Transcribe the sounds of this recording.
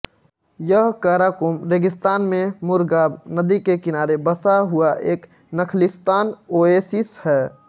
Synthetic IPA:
jəɦkaːɾaːkʊmɾeːɡɪst̪aːnmẽmʊɾɡaːbnəd̪ikekɪnaːɾebəsaɦʊaʔeːk | nəkʰlɪst̪aːnoːeːsɪshɛː

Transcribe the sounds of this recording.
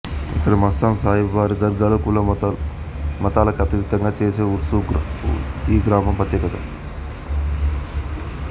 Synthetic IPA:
ḭkːɐɽɐmɐst̪aːnsaːɦibʋaːɾid̪ɐɾɡaːlɐkulɐ | mɐt̪aːlɐkɐt̪iit̪ːɐŋɡaːt͡ʃeːseːuɾsuːɡ | iːɡɾaːmɐmpɐt̪jɐkɐt̪a

